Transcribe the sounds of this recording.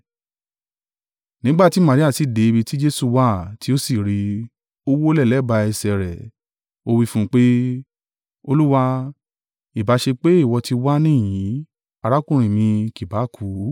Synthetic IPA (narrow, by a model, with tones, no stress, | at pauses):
nĩ˦ɡ͡ba˦˨ti˨˦mã˨ɾi˦a˦˨si˨de˨i˧bi˧ti˦d͡ʒe˦su˧wa˦˨ti˦o˦si˦˨ɾi˧ | o˦wo˦lɛ˦˨lɛ˨˦˨ba˧ɛ˧sɛ˧ɾɛ˨ | o˧wi˦fũ˦k͡pe˦ | o˧lu˦wa˧ | i˦˨ba˨˦ʃe˧k͡pe˦i˦˨wɔ˧ti˧wa˦nĩ˦˨jĩ˨˦ | a˧ɾa˦kũ˦˨ɾ̃ĩ˨mĩ˧ki˨ba˨˦kʰu˨˦